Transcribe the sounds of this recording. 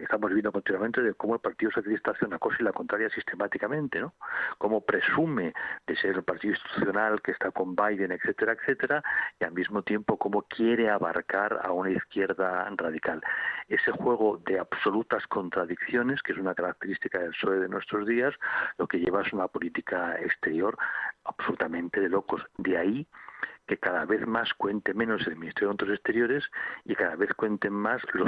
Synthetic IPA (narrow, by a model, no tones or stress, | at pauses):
est̪amo̞zβe̞nd̪okoninwament̪e̞ðeko̞moe̞lpaɾt̪iðoso̞θjalist̪aaθeunako̞silako̞nt̪ɾaɾjasist̪e̞mat̪ikamẽnt̪e̞noko̞mo̞pɾesume̞d̪e̞se̞ɾepaɾt̪iðoĩnst̪i̥t̪uθjo̞nalke̞st̪ako̞mbajðe̞nekθe̞t̪e̞ɾaekθe̞t̪e̞ɾaialmizmo̞t̪je̞mpo̞ko̞mo̞kje̞ɾe̞aβa̰ɾkaɾa̰unaiθkje̞ɾðaraðikale̞se̞xwe̞ɣ̞o̞ðe̞aβso̞lut̪asko̞nt̪ɾaðikθjo̞ne̞skeesunakaɾak̚t̪e̞ɾist̪ikaðe̞lsoeðe̞nwe̞st̪ɾo̞zðiaslo̞ke̞ʎe̞βaesunapo̞lit̪ikaḛkst̪e̞ɾjo̞ɾaβsolut̪amẽ̞nt̪e̞ðe̞lo̞ko̞sd̪eaike̞kaðaβe̞θmaskwe̞nt̪e̞mẽ̞no̞selmĩnist̪ejont̪ɾosest̪e̞ɾjo̞ɾe̞sikaðaβe̞θkwe̞nt̪e̞mmaslo